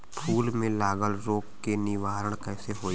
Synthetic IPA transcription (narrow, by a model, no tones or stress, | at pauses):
pʰuːlmẽlaːɡəlɾoːkːenɪʋaːɾəɽ̃kɛːseɦoː